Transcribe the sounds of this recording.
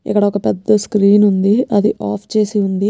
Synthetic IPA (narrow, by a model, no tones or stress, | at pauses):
ḭkːɐɽɐɔkɐpɛd̪ːɐskɾiːnund̪iʔɐd̪iʔaːpʰt͡ʃe̞ːsiund̪i